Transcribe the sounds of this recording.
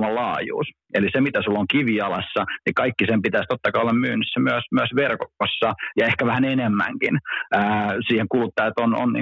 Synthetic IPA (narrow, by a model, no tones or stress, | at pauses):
mɑlɑːjṵːs | elisemit̪æsulːoŋkiʋiɑlɑsːɑnikɑikːisempit̪æist̪ot̪ːɑkɑːlːɑmmyːnysːæmyæsmyæsʋerkosːɑjɑehkæʋæhænenemːæ̰ŋkinæːsiːheŋkulut̪ːɑjɑt̪ono̰nnḭː